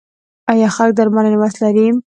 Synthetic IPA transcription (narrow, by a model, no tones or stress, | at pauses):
ajɑxalk̚d̪aɾmananɪwast̪laɾim